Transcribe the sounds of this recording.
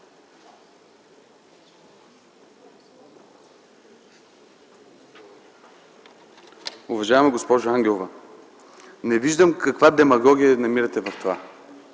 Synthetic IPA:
ʊvɐʒavɛmɛɡospɔʒʊaŋɡʲɛlˠovɐ | nɛviʒd̪əmkɐkvad̪ɛmɐɡɔɡʲijənɐmiɾɐt̪ɛvɐft̪ova

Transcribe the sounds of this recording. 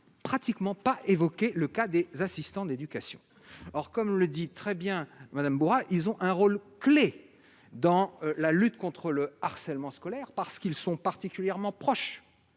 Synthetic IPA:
pχat̪ikmɑ̃paʔevɔkʲeləkad̪ezasist̪ɑ̃d̪ed̪ykasjɔ̰̃ | ɔʁkɔmləd̪it̪χɛbjɛ̃mad̪ambuʁaʔilzɔ̃ʔɛ̃ʁolkle | d̪ɑ̃lalyt̪kɔ̃t̪χələaʁsɛlmɑ̃skɔlɛʁpaʁsə̥kilsɔ̃paʁt̪ikʲyljɛʁmɑ̃pχɔʃ

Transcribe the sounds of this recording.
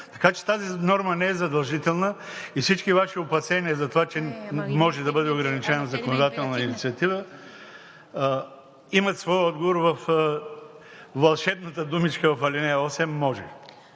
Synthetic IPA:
t̪ɐ̥kat͡ʃɛ̥t̪azinɔɾmənɛɛzɐd̪ɐlˠʒit̪ɛlˠnə | ifsit͡ʃkivaʃiʊpɐsɛniɛzɐt̪ovat͡ʃɛmɔʒɛd̪ɐbɤd̪ɛʊɡɾɐnit͡ʃɛnəzɐkonod̪at̪ɛlˠnəinit̪siɐt̪ivə | imɐt̪svɔjɔd̪ɡovoɾvɐf | vɐlˠʃɛbnət̪əd̪umit͡ʃkəvɐfɐlʲinɛɔsɛmːɔʒɛ̰

